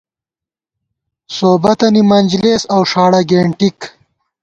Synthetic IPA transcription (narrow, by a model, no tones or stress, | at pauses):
soːbɐt̪ɐnimɐnʲd͡ʑleːsɐwʂaːɽɐɡeɳʈik